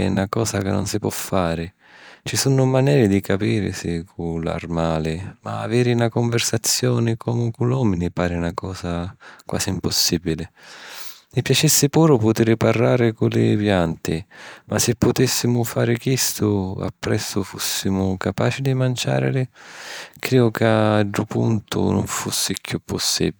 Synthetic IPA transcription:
nakɔːzakɪnːʊ̰nsipwɔ̰fːaːɾɪ | t͡ʃisunʊmanɛːɾɪd̪ikapiːɾɪ̰sɪkʰula̰rmaːlɪma̰ːvɛːɾɪnakʊɱvɪrsat̪sːjɔːnɪkʰɔmukulɔːminɪpaːɾɪnakɔːzakwa̰ːsiimpʊsːiːbilɪ | mɪpjat͡ʃɛsːɪpuːɾʊpʊt̪iːɾɪparːaːɾɪkʊlɪpjant̪ɪmasɪpːʊt̪isːimʊfaːɾɪkist̪ʰʊa̰pːɾɛsːʊfusːimʊkapaːt͡ʃid̪imant͡ʃa̰ːɾɪ̰lɪ | kɾiːʊkaɖɾʊpṵnt̪ʰʊ̰nʊ̰ɱfusːɪkʰjupːʊsːḭb

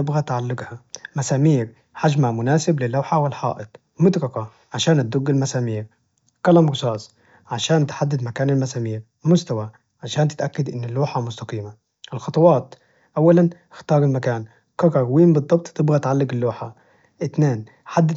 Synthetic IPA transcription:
ɪbɣat̪ʕalːɪɡhamasaːmiːɾ | ħad͡ʒmamʊnaːsɪblɪlːawħawɪlħɑ̰ːʔɪt̪ˤ | mʊd̪ɾɑqɑ | ʕaʃaːnat̪̚d̪ʊɡːɪlmasaːmiːɾ | kalamɾʊsˤɑːsˤ | ʕaʃaːnt̪ħad̪ːɪd̪makaːnɪlmasaːmiːɾ | mʊst̪awa | ʕaʃaːnt̪ɪ̥t̪ʔakːad̪ʔɪnːɪlːuːħamʊst̪aqiːma | ʔɪlxɑt̪ˤɑwɑːt̪ | ʔawːalan | ɪxt̪ɑːɾˤɪlmakaːn | kɑɾˤɑɾwiːmbɨd̪ˤːɑb̚t̪ˤt̪ɪbɣat̪ʕalːɪɡɪlːuːħa̰ | ʔɪt̪neːn | ħad̪ːɪ

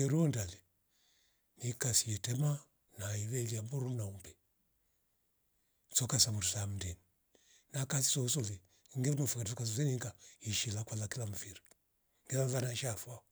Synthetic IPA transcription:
ɛɾuɔndali | nikasiɛtɛma | naiβɛliambuɾunaumbɛ | sɔkasamuɾusam̩ndɛni | nakasi̥sɔusɔli | ŋɡɛnɔfikansɔkasɔliniŋɡaiʃilakwalakilam̩fiɾi | ŋɡɛlaðanaʃafwa

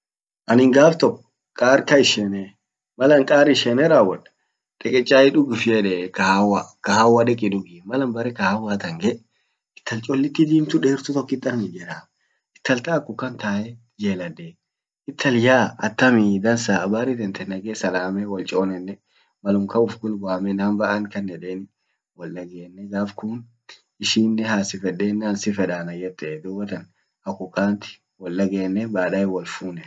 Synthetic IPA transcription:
ʔɐnɪŋɡaːft̪ɔkːɔ̥ | kʼaːɾkɐɪʃɛne | mɐlɐŋkʼaːɾɪʃɛnɛɾaːwːɐᶑɐ̥ | ᶑ̥ɛkʼɛt͡ʃʼːaːɪᶑʊɡɪfɪjɛᶑɛkɐhawakɐhaːwːɐᶑɛkʼɪᶑʊɡɪmɐlɐmbɐɾɛkɐhawːaːt̪ɐŋɡɛʔ | ɪt̪ːɐlt͡ʃʼɔlːɪt̪ːɪd̪iːmt̪ʊᶑeːɾt̪ʊt̪ɔkːɪt̪ʼːɐnmɪd͡ʒɛɾaː | ɪt̪ːɐlt̪aːkːʊkːɐnt̪aːjɛ | d͡ʒeːlɐd̪eː | ɪt̪ʰːɐljaːɐt̪ːɐmiːd̪ɐnsaːɐbaːɾɪt̪ɛnt̪ɛnːɐɡeːsɐlaːmɛwɔlt͡ʃʼoːnɛnːɛ | mɐlʊmkɐʊfɡʊlɡaːmɛnaːmbɐʔankɐnːɛᶑeːn | wɔlːɐɡeːnːɛɡaːfkʊːn | ɪʃiːnːɛhaːsɪfɛᶑeːnːɛɐnsɪfɛᶑaːnɐjːɛt̪ːɛd̪ʊbɐt̪ɐn | ɐkːʊkːaːnt̪ɪ̥ | wɔlːɐɡeːnːɛbaːᶑɐjɛwɔlfuːnɛ

